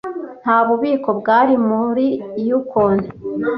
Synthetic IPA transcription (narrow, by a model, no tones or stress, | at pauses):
n̥haːβuβiːko̞bɡaːɾimuɾiːjukoːne